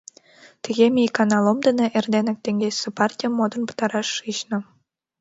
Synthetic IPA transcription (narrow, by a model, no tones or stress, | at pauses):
t̪iɣʲemʲikɑnɑlˠomd̪ə̆nĕʔerd̪enɘ̆k̚t̪eŋɡʲesĕpɑrtʲijəmːod̪ɤ̆npɤ̥t̪ɑɾɑʃːɯɕnɤ̆